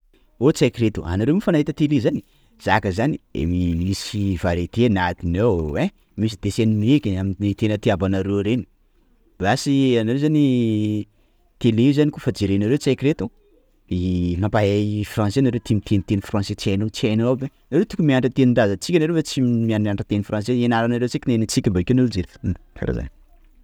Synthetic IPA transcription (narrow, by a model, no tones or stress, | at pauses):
ot͡sakɾet̪ṵʔa̰naɾewmifanaɦit̪ət̪elezani̥ | z̥akəzaniḛmimisivaɾet̪enat̪inewwe | mis̬id̪̥eseninekʲeaminit̪enət̪iabanaɾeɾeni̥ | b̥iasianaɾewzani | t̪eleiuzanikufad͡ʒeɾenaɾewt͡seakret̪u | inapaɦefrãnsenaɾewt̪imit̪ent̪enifrãnset͡sanot͡siajnabe | naɾewt̪ukumiaɳɖ͡ʐat̪eniɳɖ͡ʐazat͡sikʲanaɾewfat͡simiaɳɖ͡ʐaɳɖ͡ʐət̪enifrãns̬eenaɾanaɾewt͡sikʲinenit͡sikʲimbaikʲanuluzeɾka̰ɾa̰za̰n